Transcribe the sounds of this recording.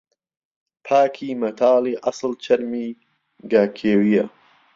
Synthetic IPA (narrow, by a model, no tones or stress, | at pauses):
pʰaːkʰiːmɐt̪ʰaːliːʔɐsɨlt͡ʃʰɐɾmiː | ɡaːkʰeːwijɐ